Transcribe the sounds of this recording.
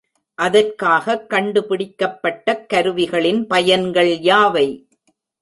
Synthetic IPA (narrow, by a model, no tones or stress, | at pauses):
ʔɐðɐrkaːɣɐkːɐɳɖɯpɪɽɪkːɐpːɐʈːɐkːɐɾɯʋɪɣɐɭɪnpɐjɐnɡɐɭjaːʋɐɪ